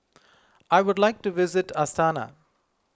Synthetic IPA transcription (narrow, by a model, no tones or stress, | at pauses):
aɪʋʊɖlaɪk̚ʈuʋɪzɪʈast̪aːna̰